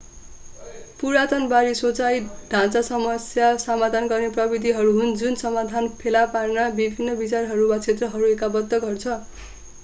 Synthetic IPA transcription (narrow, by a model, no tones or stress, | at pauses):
puɾat̪ʌnbaɾisot͡sajɖ̥ʱãt͡sasʌmʌsjasʌmad̪ʱanɡʌrneprʌbid̪ʱiɦʌɾuɦund͡zunsʌmad̪ʱanpʰelaparnabibʱinːʌbit͡sarɦʌɾumat͡sʰet̪rʌɦʌɾuekabʌd̪ːʌɡʌrt͡sʰʌ